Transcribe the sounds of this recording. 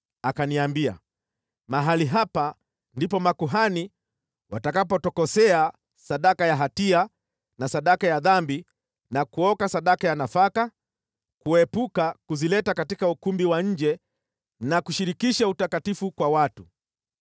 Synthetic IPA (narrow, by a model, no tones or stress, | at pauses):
akaniambia̰ | maɦaliɦapa | ndipɔmakuɦani | watakapɔtɔkɔsɛa | saɗakajaɦatia | nasaɗakajaðambi | nakuɔkasaɗakajanafaka | kuɛpukakuzilɛtakatikaukumbiwaɲ̩d͡ʒɛ | nakuʃiɾikiʃautakatifukwawatu